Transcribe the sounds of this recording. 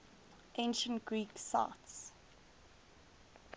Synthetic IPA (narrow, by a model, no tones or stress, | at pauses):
ʔẽnʃə̃ntɡ̥ɹiːksa̰ts